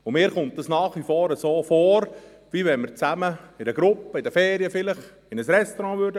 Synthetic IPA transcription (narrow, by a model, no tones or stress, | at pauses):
ʊmɪːɾχʊmt̚dɑsnɑːχʋifoːɾəsoːfoːɾ | ʋiʋɛnməɾt͡sæməɪdəɡ̥ɾʊpːəɪdəfɛːɾiəfɪləχ | ɪnəsɾɛst̪oɾɑ̃ːʋøɾdə